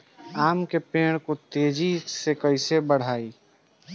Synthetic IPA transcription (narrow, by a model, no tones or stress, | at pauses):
aːmkepeːɽ̃kot̪eːd͡ʒisekəɪsebəɽ̤aːi